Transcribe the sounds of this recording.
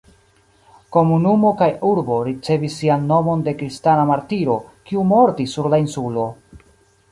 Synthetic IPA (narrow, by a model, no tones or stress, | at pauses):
ko̞munumo̞kajuɾbo̞ɾit͡se̞visːianːo̞mo̞nde̞kɾistanamaɾtiɾo̞kiumo̞ɾtisːuɾlainsulo̞